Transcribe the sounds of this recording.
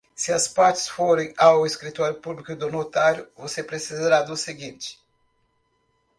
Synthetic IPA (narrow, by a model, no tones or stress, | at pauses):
sɪɐspaɾt͡ʃɪ̥sfoɾẽj̃aweskɾit̪ɔɾjʊpublikʊd̪onot̪aɾjʊvosepɾesizaɾad̪ʊseɡĩnt͡ʃɪ̥